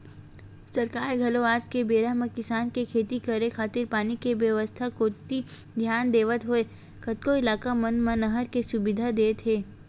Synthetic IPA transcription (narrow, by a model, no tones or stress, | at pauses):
sɐɾkaːɾɡʱɐloaːd͡ʒkebeːɾamẽkɪsaːnkekʰeːt̪ikɐɾekʰaːt̪ɪɾpaːnikeʋjəʋəst̪ʰakot̪i | d̪ʱjaːnd̪eːʋət̪ɦoe | kʰɐt̪̚koɪlaːkamɐ̃nmə̃nɐɦəɾkesʊbɪd̪ʱad̪eːt̪ʰɦeː